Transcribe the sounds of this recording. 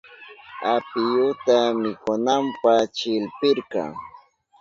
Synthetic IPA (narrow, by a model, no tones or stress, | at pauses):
apɪjʊt̪amɪkʊnampat͡ʃɪlpɪɾkɑ̰ŋ